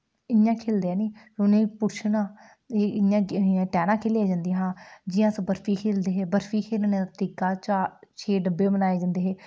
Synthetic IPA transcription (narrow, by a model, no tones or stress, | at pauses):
ɪjãːkʰeːld̪eɛːniː | ʊnẽːpʊɾt͡ʃʰnãː | eɪjãːʈɛːnãːkʰeːleːaːd͡ʒãːnd̪iɦãːd͡ʒɪjãːsəbəɾfʰiːkʰeːld̪eːɦeːbəɾfʰiːkʰeːlneːat̪iːkaːt͡ʃaːt͡ʃʰeːɖəbːeːbənaːeːd͡ʒãːnd̪eːɦeː